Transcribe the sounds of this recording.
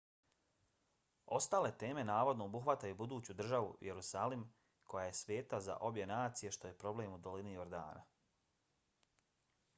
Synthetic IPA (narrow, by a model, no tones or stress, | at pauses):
o̞st̪aːle̞t̪e̞ːme̞naːʋo̞d̪noobuxʋat̪ajubud̪uːt͡ɕud̪r̩ʒaʋṵjeɾusaːlim | kʰo̞jaje̞sʋje̞ːt̪aza̰ʔo̞bje̞naːt̪sije̞ʃt̪o̞je̞pɾo̞bleːmud̪o̞linio̞ɾd̪a̰ːna̰